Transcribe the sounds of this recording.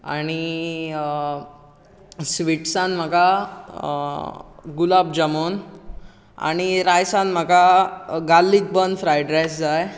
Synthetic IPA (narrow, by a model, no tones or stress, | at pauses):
a̰ɽ̃i | sʋiʈsãnm̤əka | ɡulab̚d͡ʑəmon | a̰ɽ̃iɾajsãnm̤əkaɡalːit͡s̚bənfɾajɖɾesd͡zaj